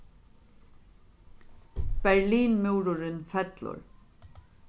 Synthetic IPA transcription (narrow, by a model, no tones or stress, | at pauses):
b̥ɛɹliːnmʉwɾʊɾɪnfɛt̪lʊ̰ɹ